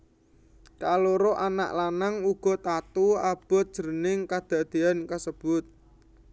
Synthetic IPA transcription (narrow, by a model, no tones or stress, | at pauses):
kaloɾoʔana̰ʔlanaŋuɡ̥ɔ̤t̪at̪uab̥ɔ̤t̪̚d̥ʒ̥əɾənɪŋkad̪̥ä̤d̪̥e̤ankasəb̥ʊt̪̚